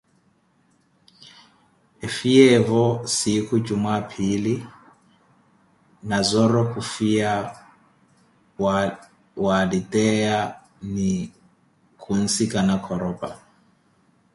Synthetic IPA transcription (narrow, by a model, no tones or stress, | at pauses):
efiɛvɔsikud͡ʒumapʰili | nazɔɾɔkufia | walitʼɛa | ni | kʰun̩sikanakʰɔɾɔpa̰